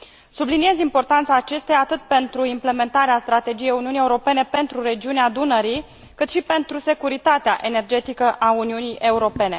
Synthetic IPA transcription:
sublinie̞zimpo̞rt̪ant̪saːt͡ʃe̞st̪ejaat̪ɨt̪̚pe̞nt̪ɾuimple̞me̞nt̪aɾeast̪ɾat̪e̞d͡ʒije̞juniunijeuɾo̞pe̞ne̞pe̞nt̪ɾuɾe̞d͡ʒiunead̪unəɾi | kɨt̪ʃipe̞nt̪ɾuse̞kuɾit̪at̪eaʔe̞ne̞rd͡ʒe̞t̪ikəʔauniunijʔe̞uɾo̞pe̞ne̞

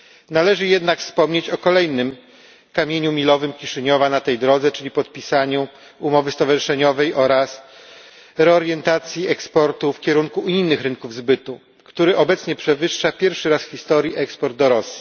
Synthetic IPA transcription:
nalɛʐɘjɛd̪nakfspɔmɲet͡ɕɔkɔlɛjnɘm | kamʲjeɲumʲilɔvɘmkʲiʂɘɲɔvanat̪ɛjd̪ɾɔd̪zɛt͡ʂɘlʲipɔt̪̚pʲisaɲu | umɔvɘst̪ɔvaʐɘʂɛɲɔvɛjʔɔɾas | ɾɛɔɾjɛnt̪at̪sʲjiɛkspɔɾt̪ufkʲɛɾuŋkuinːɘxɾɘŋkuvzbɘt̪u | kt̪uɾɘʔɔbɛt̪sɲɛpʂɛvɘʂːapʲjɛɾfʂɘɾasxʲist̪ɔɾjiʔɛkspɔɾd̪̚ːɔɾɔsʲji̥

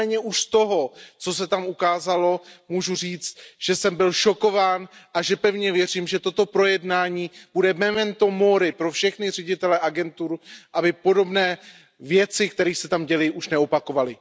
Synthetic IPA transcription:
ɛːɲɛʔuʃst̪o̞ɦo̞t͡so̞s̬ɛt̪amukaːzalo̞muʒur̝iːt͡st̪ʒ̥ɛsɛmbɪlʃo̞ko̞vaːnʔaʒɛpɛvɲɛvjɛr̝iːmʒɛt̪o̞t̪o̞pɾo̞jɛdnaːɲiːb̥udɛmɛmɛnt̪omoɾɪpɾo̞fʃɛxnɪr̝ɛɟɪt̪ɛlɛʔaɡɛnt̪uɾʔabɪpo̞do̞bnɛː | vjɛt͡sɪkt̪ɛɾiːxsɛt̪amɟɛlɛjʔuʃnɛo̞pako̞valɪ

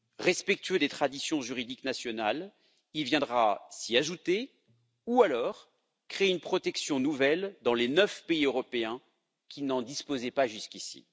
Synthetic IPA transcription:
ʁɛspɛk̚t̪ɥød̪et̪χad̪isjɔ̃ʒyʁid̪iknasjɔnal | ilvjɛ̃d̪ʁasiaʒut̪e | ualɔːʁ | kχeynpχɔt̪ɛksjɔ̃nuvɛld̪ɑ̃lenœfpeiøʁɔpeɛ̃ | kʲinɑ̃d̪ispozɛpaʒyskʲisḭ

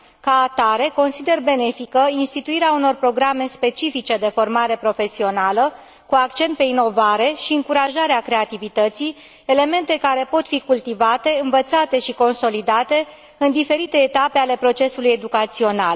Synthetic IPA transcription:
kaːt̪aɾe̞ko̞nsid̪e̞rbe̞ne̞fikəinst̪it̪uiɾeauno̞rpɾo̞ɡɾame̞spe̞t͡ʃifit͡ʃe̞d̪e̞fo̞rmaɾe̞pɾo̞fe̞sio̞nalə | kuakt͡ʃe̞nt̪̚pe̞ino̞vaɾe̞ʃiɨŋkuɾaʒaɾeakɾe̞at̪ivit̪ət̪si | ele̞me̞nt̪e̞kaɾe̞po̞t̪fikult̪ivat̪e̞ɨnvət̪sat̪e̞ʃiko̞nso̞lid̪at̪e̞ | ɨnd̪ife̞ɾit̪e̞ːt̪apeale̞pɾo̞t͡ʃe̞suluje̞d̪ukat̪sio̞na̰l

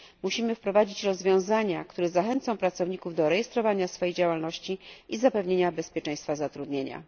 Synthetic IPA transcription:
muɕimɘfpɾɔvad͡ʑit͡ɕɾɔzvʲjɔ̃w̃zaɲakt̪uɾɛzaxɛnt̪sɔ̃w̃pɾat̪sɔvɲikuvd̪ɔɾɛjɛst̪ɾɔvaɲasfɔjejd͡ʑawalnɔɕt͡ɕiʔizapɛvɲeɲabɛspʲjɛt͡ʂɛ̃j̃st̪fazat̪ɾud̪ɲeɲa̰

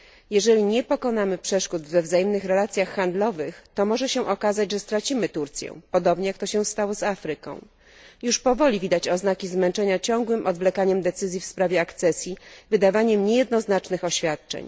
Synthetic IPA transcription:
jɛʐɛlʲiɲɛpɔkɔn̪amɘpʂɛʂkud̪vɛvzajɛmnɘxɾɛlat̪sʲjaxːand̪lɔvɘxt̪ɔmɔʐɛɕɛ̃ʔɔkazad͡ʑʐɛst̪ɾat͡ɕimɘt̪uɾt̪sʲjɛ̰̃pɔd̪ɔbɲɛjakt̪ɔɕɛ̃st̪awɔzafɾɘkɔ̰̃w̃ | juʂpɔvɔlʲivʲid̪at͡ɕɔznakʲizmɛnt͡ʂɛɲat͡ɕɔŋɡwɘmʔɔd̪vlɛkaɲɛmd̪ɛt̪sɘzʲjifspɾavʲjɛakt̪sɛsʲjivɘd̪avaɲɛmɲejɛd̪̚nɔznat͡ʂnɘxɔɕfʲjat̪̚t͡ʂɛ̰ɲ

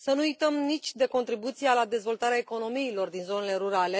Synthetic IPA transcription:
sənuujt̪əmnit͡ʃʲd̪e̞ko̞nt̪ɾibut̪sijalad̪e̞zvo̞lt̪aɾeaeko̞no̞miːlo̞rd̪inzo̞ne̞le̞ɾuɾale̞

